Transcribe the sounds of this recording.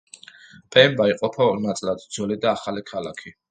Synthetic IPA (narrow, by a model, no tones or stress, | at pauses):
pʼɛmbaiqʼɔpʰanat̪sʼlad̪d̪zɔlid̪aːχalikʰalakʰi